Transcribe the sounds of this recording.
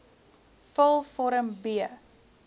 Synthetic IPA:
fəlˠfɔɾəmbiə

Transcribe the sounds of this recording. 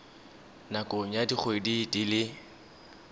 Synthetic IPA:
nakʼʊŋ̩jadiχʰoedidilɪ

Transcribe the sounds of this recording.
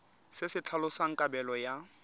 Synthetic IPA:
sɪsɪt͡ɬʰalʊsaŋ̩kʼabɛlɔja

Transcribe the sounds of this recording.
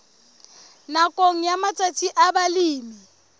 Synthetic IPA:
nakʼoŋ̩jamat͡sʼat͡sʰʼiʔabaliːmi

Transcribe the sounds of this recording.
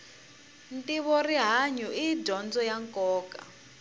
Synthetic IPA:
ntiβɔriɦaɲuiɟɔnd͡zɔjaŋkɔːka̰

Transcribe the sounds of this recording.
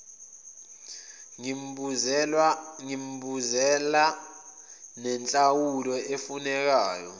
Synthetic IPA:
ŋim̩buzɛla | nɛnt͡ɬʼawulɔʔefunɛk̬aːjɔ̰

